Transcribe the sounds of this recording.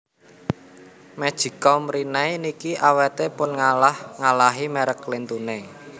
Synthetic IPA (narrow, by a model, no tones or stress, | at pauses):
mɛd̥ʒ̥i̤kɔmɾinɛjnikiʔawɛt̪epʊnŋalahŋalaɦimeɾəklent̪une